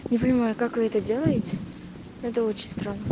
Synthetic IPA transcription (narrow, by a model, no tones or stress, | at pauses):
nʲɪpənʲɪmajʊkakvɨɛt̪ədʲe̞lˠəjɪtʲɪ | ɛt̪əo̞t͡ɕɪnʲst̪ɾanːə